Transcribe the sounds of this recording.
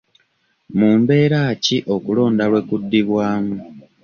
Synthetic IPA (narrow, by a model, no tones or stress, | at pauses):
muːmbe̞ːɾaːciʔo̞kulo̞ːndalwe̞kudːiβwaːmu